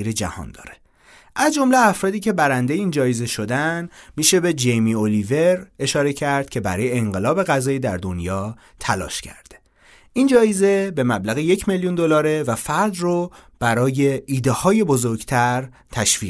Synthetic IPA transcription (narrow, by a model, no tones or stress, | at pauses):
iɾed͡ʒæ̰hɒ̰ːnd̪ɒ̰ːɾe̥ | ʔæzd͡ʒo̞mleæfɾɒːd̪iːcʰe̞bæɾænd̪ejeiːnd͡ʒɒːjeze̞ʃo̞d̪ænmiːʃe̞be̞d͡ʒejmiolive̞ɾe̞ʃɒːɾecʰæɾd̪̥̚cʲʰe̞bæ̰ɾɒ̰ːjeːŋɢe̞lɒːbe̞ɣæzɒːjid̪æɾd̪o̞njɒː | t̪ʰælɒ̰ːʃcʰæ̰ɾd̪̥e | ind͡ʒɒːjeze̞be̞mæblæɣeje̞cʰmeljund̪olɒːɾe̞væfæɾd̪rob̥æɾɒːje̞iːd̪ehɒːje̞bo̞zoɾɡt̪ʰæɾ | t̪ʰæʃviː